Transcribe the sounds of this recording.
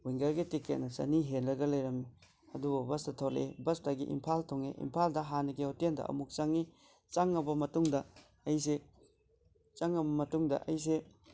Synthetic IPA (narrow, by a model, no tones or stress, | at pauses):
ujŋɡɐɾɡitiket̚nɐsɐ̰niɦenɾɐɡɐlɐjɾɐmi | ɐdububɐstɐtʰolḛbɐstaɡḭʔḭmpʰaltʰoŋeʔḭmpʰaldɐɦanɐɡiotendɐ̰ɐ̰muk̚t͡ʃaŋːi | t͡ʃaŋːɐbɐmɐtuŋdɐ | ɐjs̬e | t͡ʃaŋːɐbɐmɐtuŋdɐ̰ʔɐjs̬e